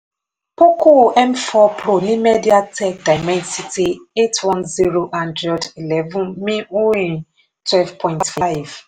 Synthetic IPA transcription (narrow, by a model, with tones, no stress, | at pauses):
po˦ku˦ʔɛ˦mfɔ˦pɾo˨nĩ˦me˦di˦a˦tʰɛ˦k̚da˨mɛ̃˦nsi˦ti˦e˦twɔ̃˦nzi˦ɾo˦ʔã˦ndɾɛ˨di˨lɛ˦vũ˦mĩ˦u˦ĩ˨ | twɛ˦lvpʰɔ̃˨ĩntfa˦jv